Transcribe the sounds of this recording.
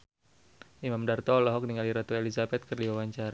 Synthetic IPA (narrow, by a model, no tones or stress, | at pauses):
ʔimamdart̪ɔlɔɦɔk̚niŋaliɾat̪uelizabɛt̪̚kərdiwawaɲt͡ʃaɾa